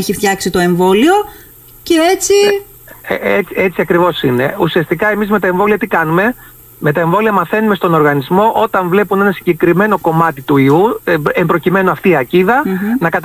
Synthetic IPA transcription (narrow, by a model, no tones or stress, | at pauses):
eçift̪çɐksit̪o̞e̞ɱvo̞lio̞ | ceet͡si | eiet͡siɐkɾivo̞sine̞usiɐst̪ikɐe̞mizme̞t̪ɐeɱvo̞liɐt̪ikɐnume̞ | me̞t̪ɐe̞ɱvo̞liɐmɐθe̞nume̞st̪o̞no̞ɾɣɐnizmo̞ʔo̞t̪ɐɱvle̞pune̞nɐsiɲɟe̞kɾime̞no̞ko̞mɐt̪it̪uiuembɾo̞cime̞noɐft̪iːɐciðɐnɐkɐt̪